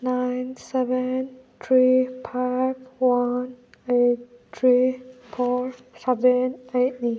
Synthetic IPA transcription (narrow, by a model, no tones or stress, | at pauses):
najnsɛvɛnt̪ʰɹipʰavwan | et̚t̪ʰɹifɔɹ | sɛvɛnet̚ni